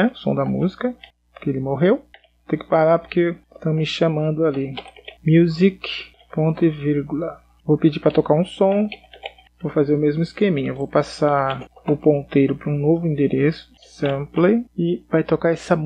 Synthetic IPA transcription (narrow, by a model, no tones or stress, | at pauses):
ɛʊsõd̪ɐmṵzi̥kɐ | po̥keelɪmoɦew | ot̪ẽjkɪ̥paɾaɾpoɾkest̪ɐ̃w̃mɪʃamɐ̃nd̪ʊalimjuzik | põt̪ɪviɾɡʊlɐ | vowpɪd͡ʒipɾɐt̪okaɾũsõw̃ | vowfazeɾʊmezmʊɪskemĩɲewvowpasaʊpõnt̪ejɾʊpoɾũnovʊĩnd̪eɾʔesʊ̥ | sɐ̃pleɪvajt̪okaɾɛsɐm